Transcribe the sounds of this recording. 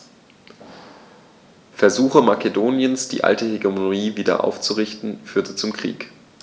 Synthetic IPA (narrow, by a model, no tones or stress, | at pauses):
fɛɐzuːxəmakedoːnjənsd̥ḭːʔa̰ltəheɡemoiːviːdɐ̰ʔa̰ʊft͡suʁɪçtn̩fyːɐtət͡sʊmkʁ̥ḭːk